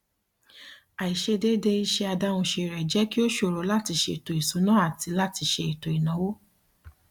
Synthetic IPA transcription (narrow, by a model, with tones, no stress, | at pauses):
a˨i˨ʃe˧de˦de˦i˧˦ʃe˧a˧da˦w̃ũ˧ʃe˧˨ɾɛ˨d͡ʒɛ˦ki˦o˦ʃo˨ɾo˨˦la˦ti˧ʃe˧i˨to˨i˨so˨˦nã˦a˦˨ti˧la˦ti˧˦ʃe˧i˨to˨i˨nã˨˦wo˦